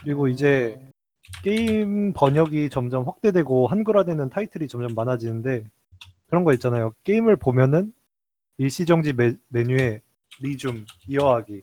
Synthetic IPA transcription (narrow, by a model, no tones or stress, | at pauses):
kɯɾiɡoid͡ʑe̞ | k͈e̞impʌɲʌɡit͡ɕʌmd͡ʑʌmɸwak̚t͈e̞dwe̞ɡoɦanɡuɾadwe̞nɯntʰaitʰɯɾit͡ɕʌmd͡ʑʌmːanad͡ʑinɯnde̞ | kɯɾʌnɡʌit̚t͡ɕ͈anajok͈eimɯɭpomjʌnɯn | iɭɕ͈id͡ʑʌŋd͡ʑimme̞ɲue̞ | ɾid͡ʑumijʌɦaɡi